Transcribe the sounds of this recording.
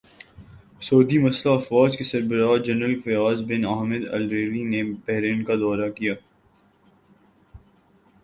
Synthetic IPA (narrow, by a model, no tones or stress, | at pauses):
soːd̪imɐslaɐfwaːd͡ʒkesɐɾbəɾaːd͡ʒɐnɾəlfejaːzbɪnaːɦmɪd̪ɐ̰lɾeːɾinebɛɦɾeːnkad̪ɔːɾakijaː